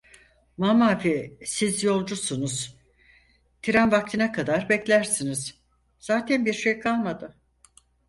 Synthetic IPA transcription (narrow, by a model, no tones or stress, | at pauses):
mamaːfisizjo̞lˠd͡ʒusunuz̥ | t̪ʰiɾanvak̚t̪ʰɯnakʰad̪aɾbɛclʲæɾsiniz̥ | z̥aːt̪ʰɛnbiɾʃejkʰalˠmad̪ɯ